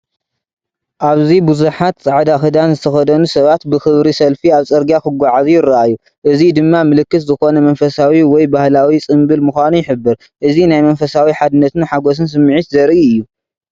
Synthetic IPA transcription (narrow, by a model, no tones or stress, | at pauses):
ʔaβzibuzuħat̪t͡sʼaʕd̪axɨd̪anzɨt̪ʰɐxɐd̪ɐnusɐβat̪bɨxɨβɾisɐlfiaβt͡sʼɐɾɡjakɨɡʷːaʕazujɪraʔajːu | ʔɨzid̪ɨmːamɨlɨkːɨt̪zɨxo̞nɐmɐnfɐsawiwɔjbahlawit͡sʼɨmbɨlmɨxʷanujɪħɨbːɨɾ | ʔɨzinajmɐnfɐsawiħad̪ɨnːɐt̪ɨnħaɡo̞s̬ɨns̬ɨmːʕit̪zɐɾiɨjːu